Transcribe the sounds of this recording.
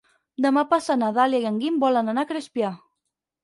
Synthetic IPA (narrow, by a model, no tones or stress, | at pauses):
d̪əmapasanaðaljajaŋɡimbɔlənanakɾespja